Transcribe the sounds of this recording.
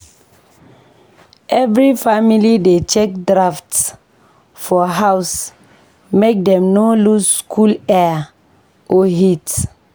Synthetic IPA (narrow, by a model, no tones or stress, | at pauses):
ʔɛvɹifamilidet͡ʃɛk̚dɹafts | fɔɦaʊs | mek̚dɛ̃mnolusskʰulɛ | ʔoɦit